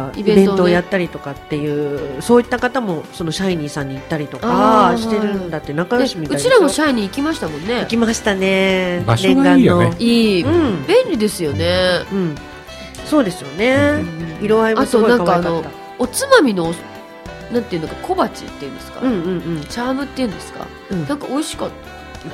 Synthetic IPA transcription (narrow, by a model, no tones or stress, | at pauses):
iiẽbẽ̞t̪ooːjat̪ːaɾʲit̪o̞kat̪ːe̞jɯ̟ːso̞ːit̪ːakat̪amo̞so̞no̞ɕaiɲ̟iːsãɲ̟ːiːt̪ːaɾʲit̪o̞kaɕi̥t̪e̞ɾɯ̟̃nd̪at̪ːenakajoɕimit̪ɯait͡ɕiɾamoɕaiɲ̟iːkʲimaɕi̥t̪amõ̞nːe̞ikʲimaɕi̥t̪ane̞nẽɡãnːoiːɯ̟̃ɴbẽ̞nʲɾʲid̪e̞sɨjo̞neɯ̟̃ɴ | so̞ːd̪e̞sɨjo̞ne̞iɾo̞βaimassoːɡoãŋkaβkaknao̞ːa | ot͡sɨmamʲino̞ | nãnt̪eiɯ̟noɡkakʰo̞bat͡ɕḭt̪ːe̞iɯ̟nesɨ̥ka̰ɯ̟̃ɴɯ̟̃ɴɯ̟̃ɴt͡ɕaːmɯ̟t̪ːeiɯ̟̃nd̪e̞sɨ̥ka̰ | nãŋkao̞iɕi̥kat̪ːḁ